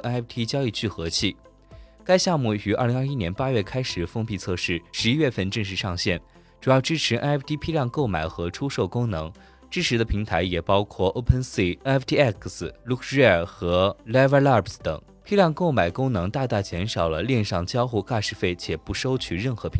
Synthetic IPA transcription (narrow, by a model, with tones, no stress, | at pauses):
ʔɛ˥ɛ˥pt̪ʰi˥t͡ɕjɑ˥ʊi˥˧t͡ɕʰy˥˩xɤ˧˥t͡ɕʰi˥˩ | ka˥ɪɕjɑ˥˧ŋmu˥˩y˧˥ʔa̰˞˥˩li˧˥ŋa˞˥˧i˥njɛ˧˥npa˥ɥɛ˥˩kʰa˥ɪʂɻ̩˨˩fɤ˥ŋpi˥˧t͡sʰɤ˥˧ʂɻ̩˥˩ʂɻ̩˧˥i˥ɥɛ˥˧fə˥˧nʈ͡ʂɤ˥˧ŋʂ̬ɻ̩˥˩ʂɑ˥˧ŋɕjɛ˥˩n | ʈ͡ʂu˨˩jɑ˥˩ʊʈ͡ʂɻ̩˥ʈ͡ʂʰɻ̩˧˥ʔɛ˥nɛ˥˩pʰt̪ʰi˥pʰi˥ljɑ˥˧ŋko˥˩ʊma˨˩ɪxɤ˧˥ʈ͡ʂʰu˥ʂo˥˩ʊkʊ˥ŋnɤ̰˧˥ŋ | ʈ͡ʂɻ̩˥ʈ͡ʂʰɻ̩˧˥d̪ə˧pʰi˧˥ŋt̪ʰa˧˥ɪjɛ˨˩pɑ˥ʊkʰwɔ˥˩ʔo˥ʊpʰə˥˧nsi˥˩˥ft̪ʰi˥ɛ˥˩kʰslu˥˧kʰə˨˩xɤ˧˥lɛ˥və˥la˥˩pst̪ɤ̰˨˩˦ŋ | pʰi˥ljɑ˥˧ŋko˥˩ʊma˨˩ɪkʊ˥ŋnɤ˧˥ŋt̪a˥˧t̪a˥˩t͡ɕjɛ˧˥nʂɑ˨˩ʊlə˦ljɛ˥˧nʂɑ˥˩ŋt͡ɕjɑ˥ʊxu˥˧ka˥˧ʂɻ̩˥˧fe˥˩ɪt͡ɕʰjɛ˨˩pu˧˥ʂo˥ʊt͡ɕʰy˥˩ɻə˥˩nxɤ˧˥pʰi˧˥